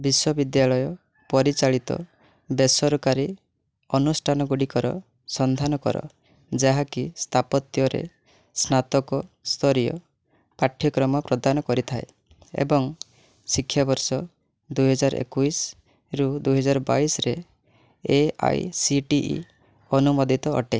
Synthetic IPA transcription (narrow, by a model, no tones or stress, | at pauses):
biswɔbid̪jaɭɔjɔ | pɔɾit͡ʃaɭit̪ɔ̰ | besɔɾɔkaɾi | ɔnusʈʰanɔɡuɽikɔɾɔ | sɔnd̪ʱanɔkɔ̰ɾɔ̰ | d͡ʒaɦakist̪ʰapɔt̪jɔɾḛ | snat̪ɔkɔst̪ʰɔɾijɔ̰ | paʈʰːjɔkɾɔmɔpɾɔd̪anɔkɔɾit̪ʰae | ḛbɔŋ | sikʰːjabɔɾsɔ | d̪uɦɔd͡ʒaɾ̰ʔḛkujs | ɾud̪ujɦɔd͡ʒaɾɔba̰isɾe | ea̰jsiʈiʔḭ | ɔnumɔd̪ʱit̪ɔɔ̰ʈe